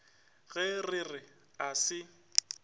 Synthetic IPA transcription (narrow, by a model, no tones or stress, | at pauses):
ɣɛrɪrɪ | asɪ